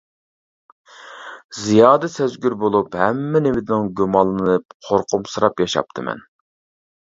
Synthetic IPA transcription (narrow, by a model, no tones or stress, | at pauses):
zijɑːd̪ɨsæzɡʲyɾbolˠuphɛmːɪnewɪd̪ɪnɪŋɡʲymɑlˠːɨnɨnɨp̚qʰoɾqʰʊmsɨɾɑpjɑʃɑ̰p̚t̪ʰɨmɛ̰n